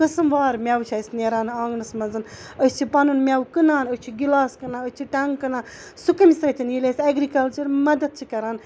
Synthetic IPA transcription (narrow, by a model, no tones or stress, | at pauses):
kɨsɨmʋaːɾmʲawt͡ʃʰaːsneɾaːnaːŋɡnɨsmɐnzɨn | əsʲt͡ʃʰipɐnunmʲawkɨnaːnəst͡ʃʰiɡilaːskɐnaːəst͡ʃʰiʈɐŋɡkɐnaː | sukɐmisɾɐt̪ʰʲɐnjilʲeːsʲɐɡɾikɐlt͡ʃɐɾmɐd̪ɐt̪̚t͡ʃʰikɐɾaːn